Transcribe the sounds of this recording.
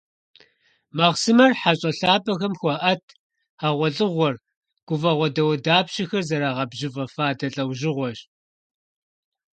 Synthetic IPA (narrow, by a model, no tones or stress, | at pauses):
mɐʁsɨmɐrħaɕʼɐɬaːbɐxɐmxʷɔʔɐtʰ | aːʁʷɔɮʼɨʁʷɔr | ɡ̥ʷʊvɐʁʷɔdɐwɐdaːpɕɐxɐrzɐɾaːʁɐbʑɪvɐfaːdɐɬʼɐwʒɪʁʷɔɕ